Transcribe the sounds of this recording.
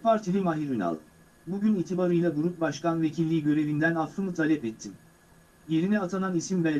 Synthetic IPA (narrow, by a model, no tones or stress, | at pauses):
pʰaɾt̪ʰilʲimaɦiɾyna̰lˠ | buɟyniːt̪ʰibaɾɯjlˠabuɾup̚baʃkanve̞cʰilʲːiːɟø̞ɾe̞vind̪ænaftɯmɯt̪ʰalʲɛpɛt̪ʰːim | je̞ɾinɛat̪ʰananisimbɛ